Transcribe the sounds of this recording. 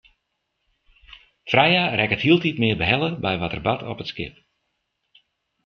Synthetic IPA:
frɛjarɛkəthiəlˠtitmɪərbəɦɛlˠəbɛjʋɔtərbatʰɔ̰pətskɪ̰p̚

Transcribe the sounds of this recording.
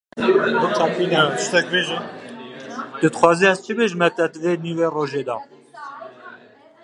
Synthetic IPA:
bukʰapiːnat͡ʃt̪ɛk̚beʒi | t̪ɨd̪xwɑːziːɛst͡ʃʰibeʒmɛt̪ɛd̪veːniːweːroːʒeːd̪ɑ̰ː

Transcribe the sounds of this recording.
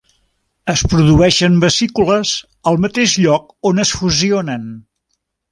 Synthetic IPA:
əspɾuðuɛʃəmbəsikuləz | əlˠmət̪eʒʎɔk̚ | onəsfuzionən

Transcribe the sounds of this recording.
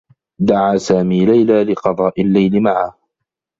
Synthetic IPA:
d̪aʕaːsaːmiːlajlaːlɪqɑd̪ˤɑːʔɪlːajlɪmaʕaː

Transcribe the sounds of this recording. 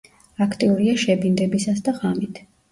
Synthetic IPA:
akʰt̪ʼiuɾiaʃɛbind̪ɛbisasd̪aʁamit̪ʰ

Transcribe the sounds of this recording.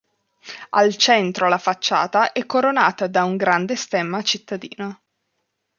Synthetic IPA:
a̰lt͡ʃɛnt̪ɾolafat͡ʃːa̰ːt̪aʔɛkːoɾonaːt̪ad̪auŋɡɾand̪est̪ɛmːat͡ʃit̪ːad̪ḭːno

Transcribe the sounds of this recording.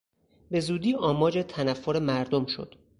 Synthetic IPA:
be̞zuːd̪iːʔɒːmɒːd͡ʒe̞t̪ʰænæfːoɾemæɾd̪o̞mʃo̰d̪̥

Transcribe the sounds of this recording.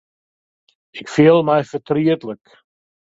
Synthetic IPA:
ɪkfiːlˠmajfət̪ʰɾiət̪lək

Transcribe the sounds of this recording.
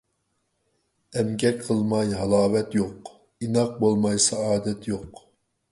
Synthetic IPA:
ɛmɡʲɛkqʰəlˠmɑjɦɑlˠɑːvɛt̪joq | inɑq̚bolˠmɑjsɑɑːd̪ɛt̪ʰjoq

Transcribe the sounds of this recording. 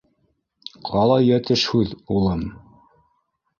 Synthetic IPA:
qʰɑlˠɑjæt̪ɘʃhʉðulˠɤm

